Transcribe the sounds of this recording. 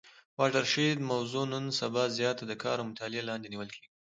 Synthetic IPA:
wɑʈaɾʃed̪mawzunənsabɑzjɑt̪ad̪əkʰɑ̰ɾamʊt̪ʰɑlɪelɑnd̪eniwəlkʰeɡi

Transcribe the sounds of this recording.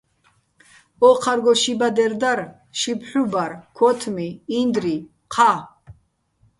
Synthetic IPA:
ɔqʰaɾɡɔʃibad̪ɛɾd̪aɾ | ʃipʰħubaɾkʰɔt̪ʰmiːnd̪ɾi | qʰa

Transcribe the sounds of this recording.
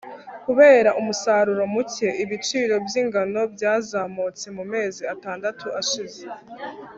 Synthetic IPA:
kuβe̞ːɾaʔumusaːɾuɾo̞muce̞ʔiβit͡ʃiːɾo̞bjiŋɡano̞bɟaːzaːmot͡semume̞ːziataːndatʰuʔaʃize

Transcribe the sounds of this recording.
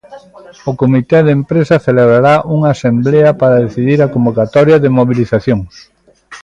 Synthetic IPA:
ʊkomit̪ɛðempɾesɐθeleβɾaɾaʔuŋaːsembleɐpaɾɐðeθiðiɾɐkombokat̪ɔɾjɐðɪmoβiliθaθjoŋ

